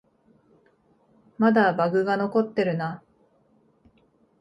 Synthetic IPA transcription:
mad̪abaɡɯ̟ɡano̞ko̞t̪ːe̞ɾɯ̟na

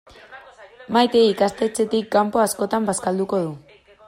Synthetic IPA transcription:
majt̪e̞ikast̪e̞t͡se̞t̪ikːampo̞asko̞t̪ambaskald̪uko̞ðu

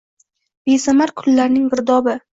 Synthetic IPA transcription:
besamaɾkʰʊlːaɾnɪŋbɪɾd̪ɒbɪ

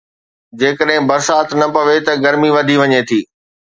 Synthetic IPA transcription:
d͡ʑeːkəɗɦɪ̃bɐɾsaːt̪ʰnɐpɐʋet̪ɐɡɐɾmiʋɐd̪ʱiʋɐɲet̪ʰiː

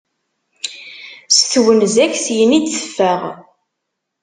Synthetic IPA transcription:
sθwənzæçsjənid̪θə̥fːæʁ

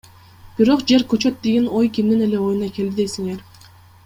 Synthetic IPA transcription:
b̥iɾo̞qd͡ʒe̞ɾkøt͡ʃø̞t̪d̪eɡino̞jkʲimd̪ine̞le̞o̞junɑke̞ld̪id̪e̞jsiŋe̞ɾ

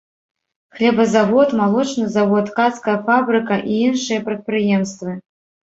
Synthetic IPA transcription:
xlʲɛbɐzavɔt̪malˠɔt͡ʂnɨzavɔt̪kat̪skɐjɐfabɾɨkɐʔiinʂɨjɐpɾɐt̪̚pɾɨjɛmst̪vɨ

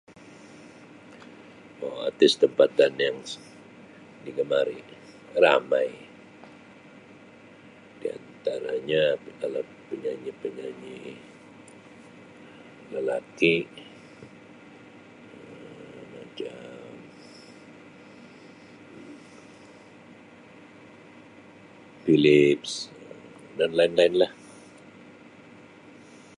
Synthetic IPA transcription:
aa̰t̪ɪst̪əmpat̪anjaŋ | diɡəmaɾi | ramaj | dia̰nt̪aɾaɲapkala | pəɲaɲipəɲaɲi | ləlaki | əmat͡ʃam | filɪpsə | danlainlaɪnlah

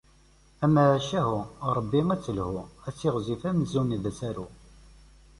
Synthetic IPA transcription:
æməʕʃæɦʊɾˤəbːiŋæt͡sːəlhʊæt͡sːiʁzifæməzuniðæsæɾu

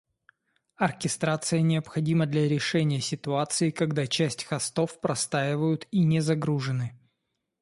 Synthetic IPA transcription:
ɐrkʲɪst̪ɾat̪sɨjənʲɪəpxɐdʲiməd̪lʲɐɾʲɪʂɛnʲɪjəsʲɪt̪ʊat̪sɨɪkɐɡd̪at͡ɕæsʲtʲxɐst̪o̞fpɾɐst̪aɪvəjʊt̪inʲɪzɐɡɾuʐɨnɨ

